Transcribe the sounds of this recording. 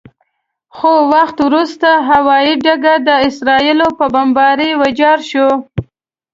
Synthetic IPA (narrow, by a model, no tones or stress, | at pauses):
xowaxt̪wɾust̪aɦawɑiɖaɡad̪əɪsɾɑilopəbambɑɾiwad͡ʒɑɾʃo